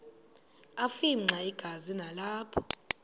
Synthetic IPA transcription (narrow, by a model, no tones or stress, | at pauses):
afim̩ŋ͡ǀʱaiɡ̥ʱazinalaːpʰɔ̥